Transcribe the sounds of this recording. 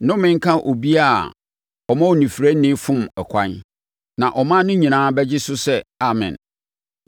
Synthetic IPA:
nʊ̃˦mɪ̃˦ŋ˦kʰã˦ʔo˨bi˦a˦˨ | ɔ˨mã˦o˨nĩ˨fɾæ˦nɪ̃˦fʊ̃˦mɛ˨kʷʰã˦n | nã˨ʔɔ˨mã˦nʊ̃˦ɲĩ˨nãː˨˦bɛ˦d͡ʑɪ˦sʊ˦sɛ˦a˨mɪ̰̃˨n

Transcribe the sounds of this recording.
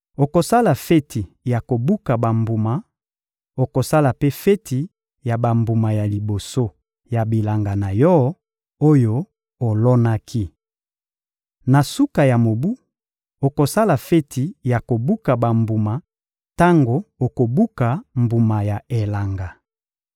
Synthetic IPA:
o˨ko˨sa˦la˨fɛ˦tʰi˨ | ja˨ko˨bu˦ka˨ba˨mbu˨ma˨ | o˨ko˨sa˦la˨pe˦fɛ˦ti˨ | ja˨ba˨mbu˨ma˨ja˨li˨bo˨so˦ | ja˨bi˨la˨ŋɡa˨na˨jɔ˦ | o˦jo˦ | o˨lɔ˦na˦kʰi˦ | na˨su˦ka˨ja˨mo˨bu˦ | o˨ko˨sa˦la˨fɛ˦tʰi˨ja˨ko˨bu˦ka˨ba˨mbu˨ma˨ | ta˦ŋɡo˨o˨ko˨bu˦ka˨mbu˨ma˨ja˨e˨la˨ŋɡa˨

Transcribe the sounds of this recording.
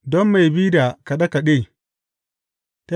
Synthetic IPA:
dɔ˦mːa˨jbiː˦da˨ka˨ɗɐ˦ka˨ɗeː˦˨ | ta˦

